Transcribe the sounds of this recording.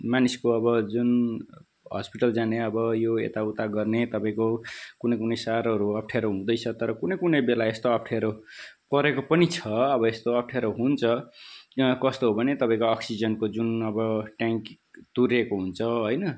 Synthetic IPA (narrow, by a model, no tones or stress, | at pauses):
maniskoʌbʌd͡zun | ɦʌ̰spiʈʌld͡zaneʌbʌjoḛt̪aut̪aɡʌrnet̪ʌpaĩkokunʌjkunʌjsaɾʌɾuʌp̚ʰʈʰeɾoɦũd̪ʌjt͡sʰʌt̪ʌɾʌkunʌjkunʌjbelaest̪oʌp̚ʰʈʰeɾokʌɾekopʌnit͡sʰʌʌbʌest̪oʌp̚ʰʈʰeɾoɦunt͡sʰʌ | kʌst̪oɦobʱʌnet̪ʌpaĩkoʌksid͡zʌnkod͡zunʌbʌʈaŋk | t̪uɾekoɦunt͡sʰʌɦojnʌ